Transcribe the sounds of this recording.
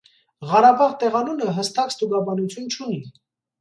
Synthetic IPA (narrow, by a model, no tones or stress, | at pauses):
ʁɑɾɑbɑʁt̪ɛʁɑnunəɦəst̪ɑkst̪uɡɑbɑnut͡sʰjunt͡ʃʰuni